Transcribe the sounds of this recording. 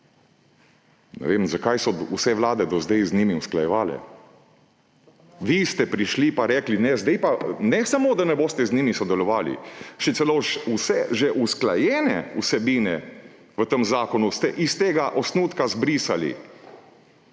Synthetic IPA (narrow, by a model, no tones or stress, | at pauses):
nɛ̰ʋemzakajsɔusɛʋlaːd̪ɛd̪ɔzd̪ɛjznimiusklajɛʋaːlɛ̰ | ʋist̪ɛpɾiʃlipaɾɛːklinɛzd̪ɛjpanɛsamoːd̪anɛboːst̪ɛzniːmisɔd̪ɛlɔʋaːlḭʃɛt̪sɛloːʃusɛʒɛʔusklajɛːnɛ̰usɛbiːnɛ | ʋət̪əmzaːkɔnust̪ɛʔist̪eːɡaʔɔsnuːt̪kazbɾisalḭ